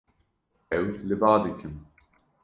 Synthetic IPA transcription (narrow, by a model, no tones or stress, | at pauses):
ɛwlɨbaːd̪ikʰɨm